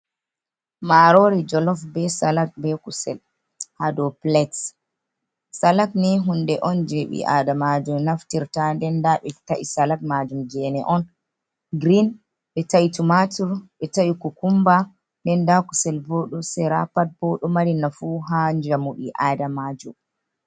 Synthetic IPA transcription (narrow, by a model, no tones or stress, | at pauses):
maɾɔɾid͡ʒɔlɔfbɛsalat̚bɛkusɛ̰l | hadɔplɛts | salaknɛɦundɛʔɔnd͡ʒeɓḭʔa̰damad͡ʒumnaftiɾtandɛndaɓɛta̰ʔḭsalak̚mad͡ʒumd͡ʒɛnɛʔɔn | ɡɾin | ɓɛtaʔitumatuɾɓɛtaikukumba | ndɛndakusɛlboɗusɛɾa̰pat̚b̥oɗumaɾinafuɦaɲd͡ʒamuɗḭʔadamad͡ʒum